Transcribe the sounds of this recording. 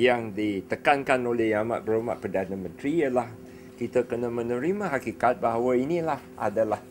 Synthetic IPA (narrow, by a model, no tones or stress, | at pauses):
jaŋdit̪əkankanolehjama̰ʔ̪̚bəɾəma̰ʔ̚pərdanãmə̃nt̪ɾijəlah | kit̪əkənãmə̃nə̃ɾimãɦakikat̪̚baɦawainĩlahʔa̰dalah